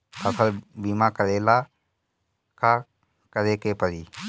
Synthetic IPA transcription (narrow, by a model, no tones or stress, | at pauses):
əsʰəlbiːmãkəɾeːla | ka | kəɾekepəɾi